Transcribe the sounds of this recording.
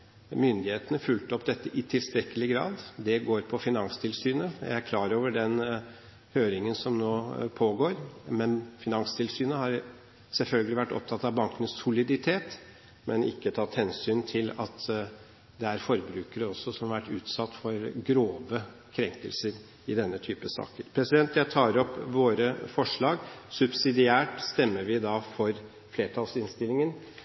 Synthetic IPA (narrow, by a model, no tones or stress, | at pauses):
mʏnd̪ɪheːt̪ənəfʉlt̪ɔpd̪ɛt̪ːəʔɪt̪ʰɪlst̪ɾɛkːəlɪɡɾɑ̰ːd̪d̪ɛɡoːɾpʰɔfɪnɑŋst̪ʰɪlsyːnəjæ̰ɪæɾkʰlɑːɾoːʋəɖɛn | høːɾɪŋənsɔmnoːpʰoːɡoːɾmɛnfɪnɑŋst̪ʰɪlsyːnəhɑɾ | sɛlfœlɡəlɪʋæʈːɔ̰p̚t̪ʰɑt̪ɑʋbɑŋkənəsʊlɪd̪ɪt̪ʰeːt̪ | mʔɛnɪ̰kːət̪ʰɑːt̪hɛnsyːnt̪ʰɪlɑ̰t̪ | d̪ɛæɾfɔɾbɾʉːkəɾəɔsːɔsɔmhɑʋæʈːʉːt̪sɑt̪ːfɔɾɡɾoːʋə | kʰɾɛŋkəlsəɾ | ɪd̪ɛnːət̪ʰyːpəsɑ̰ːkəɾpʰɾɛsɪd̪ɛnt̪jæɪt̪ʰɑːɾɔpːʋoːɾəfɔʂɭɑːɡsʉbsɪd̪ɪæːʈst̪ɛmːəɾʋɪd̪ɑfɔɾ | fleːʈ̪ʰɑlsɪnst̪ɪlːɪŋən